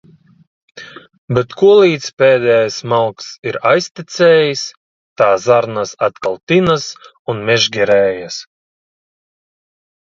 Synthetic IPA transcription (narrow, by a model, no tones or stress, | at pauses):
bʲɛt̪kuɔlˠiːt̪spʲɛːd̪ʲɛːjasmalˠksiɾajsʲt̪it̪sʲɛːjis | t̪aːzaɾnasat̪kalˠt̪inas | unmʲɛʒɡʲɛɾɛːjas